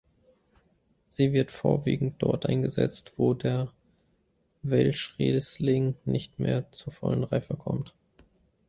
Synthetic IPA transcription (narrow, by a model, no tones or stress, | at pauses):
z̥iːvɪɐtfoːɐvḭːɡŋ̩t̚d̥ɔɐtʔaɪnɡəzɛ̰t͡stv̥oːdeːɐ | vɛlʃʁeːslɪŋnʔɪçtmeːɐt͡suːɐfɔlənʁaɪfəkʰɔmt